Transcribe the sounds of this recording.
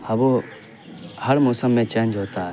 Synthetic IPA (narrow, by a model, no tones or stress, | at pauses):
ɐbo | həɾmoːsəmːẽt͡ʃẽːnd͡ʒɦoːt̪aɦɛ